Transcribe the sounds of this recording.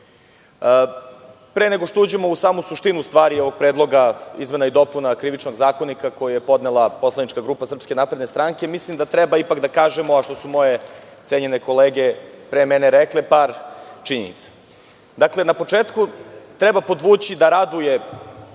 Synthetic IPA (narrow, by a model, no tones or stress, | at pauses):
pɾeːne̞ɡo̞ʃt̪o̞uːd͡ʑe̞mo̞usaːmusuʃt̪inust̪ʋaːɾio̞ʋo̞ɡ̚pɾeːd̪lˠo̞ɡaizmenaid̪o̞punakɾiʋit͡ʃno̞ɡzaːko̞nikako̞jujepo̞d̪nelˠapo̞slˠanit͡ʃkaɡɾuːpasr̩pske̞naːpɾed̪ne̞st̪ɾaŋke̞mislimd̪at̪ɾɛbaipakd̪akaːʒemoaʃt̪o̞sumo̞je̞t̪seɲene̞ko̞leːɡe̞pɾemeneɾɛkle̞paːɾt͡ʃiɲenḭt̪sḁ | d̪akle̞napo̞t͡ʂeːt̪kut̪ɾɛbapo̞d̪ʋuːt͡ɕid̪aɾad̪uje